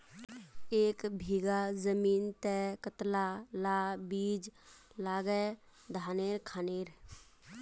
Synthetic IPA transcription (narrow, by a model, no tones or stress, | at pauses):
eːkbʱiːɡazəmiːnt̪ɛkət̪lalabiːd͡ʒlaːɡəd̪ʱaːneːɾkʰaːneːɾ